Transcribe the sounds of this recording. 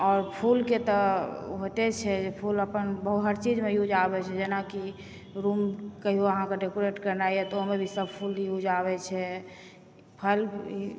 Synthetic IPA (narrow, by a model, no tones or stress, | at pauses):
ɔːɾpʰulket̪ɔɦot̪ɛt͡ʃʰɛd͡ʒepʰuləpənbəɦuɦəɾt͡ʃid͡ʒmejud͡ʒabɛt͡ʃʰɛd͡ʒenaki | ɾumkəɦiɦoəɦãkeɖekoɾeʈkəɾnaiɛt̪ɔomebʱisəb̚pʰuljud͡ʒaβɛt͡ʃʰɛ | pʰəl